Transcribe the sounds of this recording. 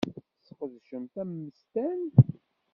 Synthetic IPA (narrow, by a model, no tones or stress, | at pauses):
sqəðʃəmt̪æmːəst̪æn